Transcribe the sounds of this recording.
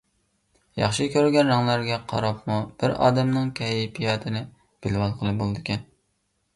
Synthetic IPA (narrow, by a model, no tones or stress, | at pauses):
jɑ̰χʃɨkʲʰøɾɡʲɛnɾɑŋlˠæɾɡʲɛqʰɑ̰ɾɑp̚mub̥ɪɾɑ̰ːd̪ɛmnɨŋkʲʰɛjɪpʰijɑːt̪ʰɪnɪ | b̥ɪlwɑlˠqʰəlˠɨbolˠɨd̪ɪkʲɛn